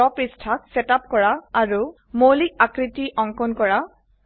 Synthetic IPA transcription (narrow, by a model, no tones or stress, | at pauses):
ɔpɹistʰak̚sɛtap̚kɔɹaːɹu | molik̚akɹitiʔɔŋkɔnkɔɹa